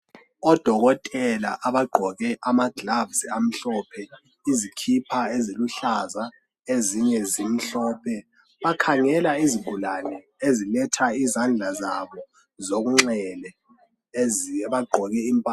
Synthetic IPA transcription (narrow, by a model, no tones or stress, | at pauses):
ɔd̥ʱɔɣɔtʼɛla̰ʔaβaɡ͡ǃʱɔɣɛʔamaɡ̥lavziam̩ɬɔpʰɛ | izikʰipʰaeziluɬaza | eziɲɛzim̩ɬɔːpʰɛ | βakʰaŋɛlaiziɡ̥ʱulanɛ | ezilɛtʰaizand͡ɮʱazaβɔ | zoɣuŋ͡ǁɛlɛ | βaɡ͡ǃʱɔɣɛimpʼaː